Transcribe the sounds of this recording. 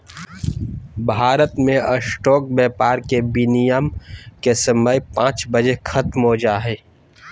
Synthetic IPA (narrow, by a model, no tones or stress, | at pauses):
bʱaːɾət̪mẽəsʈɔːk̚bɛːpaːɾkebinijəmkesəməjpãːt͡ʃbəd͡ʒexʰɐt̪mɦod͡ʒaːɦɛː